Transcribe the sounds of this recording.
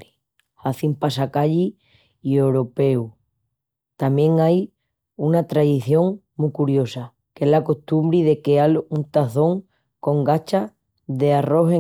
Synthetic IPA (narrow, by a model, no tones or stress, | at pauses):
i | aθimpasakaʎi | iewɾope̞u | t̪amjẽ̞ŋaj | unat̪ɾaðiθjo̞ŋ | mukuɾjo̞sa | kelako̞ht̪umbɾiðe̞ke̞alunt̪aθo̞ŋ | ko̞ŋɡat͡ʃa | ðe̞aro̞ɦe